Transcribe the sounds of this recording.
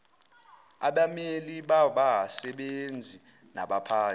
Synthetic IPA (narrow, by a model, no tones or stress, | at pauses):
a̰ɓameliɓaɓasɛɓend͡zʱi | na̰ɓapʰaː